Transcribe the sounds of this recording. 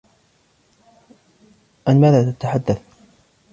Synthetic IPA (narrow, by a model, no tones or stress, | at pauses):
ʔanmaːðaːt̪at̪aħad̪ːaθ